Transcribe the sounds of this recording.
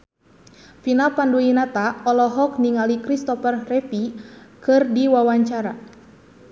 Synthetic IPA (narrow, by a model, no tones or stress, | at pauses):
finapanduinat̪aɔlɔɦɔk̚niŋalikɾist̪ɔfərrɛfikɨrdiwawaɲt͡ʃaɾa